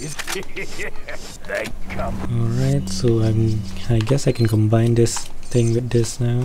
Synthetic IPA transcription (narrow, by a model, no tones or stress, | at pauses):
ɔlɹaɪtsoãɪ̃maɪɡɛsajkʰɛ̃nkɔ̃mbãɪ̃ndɪst̪ɪ̃ŋwɪt̚d̪ɪsnaʊ